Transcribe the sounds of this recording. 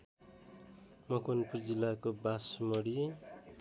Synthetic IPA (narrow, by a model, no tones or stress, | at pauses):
mʌkʰonpurd͡zilakobasmʌɽi